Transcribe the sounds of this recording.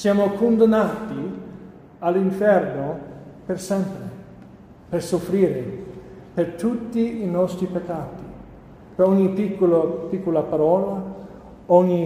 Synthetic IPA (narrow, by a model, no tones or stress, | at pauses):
sjaːmokond̪anːaːt̪i | alːiɱfɛrnopersɛmpɾe | persofɾiːɾepert̪ut̪ːiːnɔst̪ɾipekːaːt̪i̥ | peɾɔɲːipikːopikːolapaɾɔːla | ɔɲːi